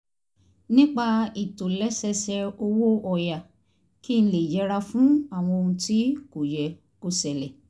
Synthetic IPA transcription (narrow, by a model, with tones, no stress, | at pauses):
nĩ˦k͡pa˧i˨to˨lɛ˨˦sɛ˧sɛ˧o˧wo˦ɔ˨ja˨ | ki˦˧ñ̩˦le˨d͡ʒɛ˨˧˦ɾa˧fũ˦a˦˨w̃ɔ̃˧o˧ũ˧ti˦ko˨jɛ˨ | ko˦˨sɛ˨lɛ˨